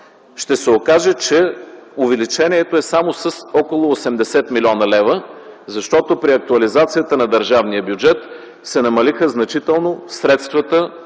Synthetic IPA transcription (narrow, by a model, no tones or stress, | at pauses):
ʃt̪ɛsɛokaʒɛt͡ʃɛovɛlit͡ʃɛniɛt̪oɛsamosəsɔkolˠoːsɛmd̪ɛsɛt̪milʲɔnəlɛvəzɐʃt̪ɔt̪opɾiɐk̚t̪uɐlizat̪sijət̪ənɐd̪əɾʒavniəbjud͡ʒɛt̪ | sɛnɐmɐlixəznɐt͡ʃit̪ɛlˠnosɾɛt̪st̪vət̪ə